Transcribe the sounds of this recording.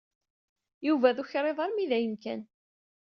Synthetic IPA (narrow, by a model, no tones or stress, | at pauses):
juvæðuçɾˤeðˤɑɾˤmiðæjəmkæ̰n